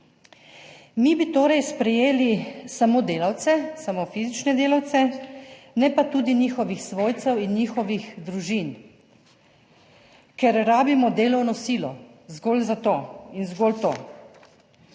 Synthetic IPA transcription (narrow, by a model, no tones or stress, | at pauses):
mibit̪oːɾajspɾɛjeːlisamoːd̪eːlawt̪sɛsamofiːzit͡ʃnɛd̪eːlawt̪sɛ | nɛpat̪uːd̪inixɔʋixsʋoːjt̪sɛwinːiːxɔʋixd̪ɾuʒin | kɛɾɾaːbimɔd̪eːlɐwnɔsiːlɔzɡolzat̪oːinzɡolt̪oː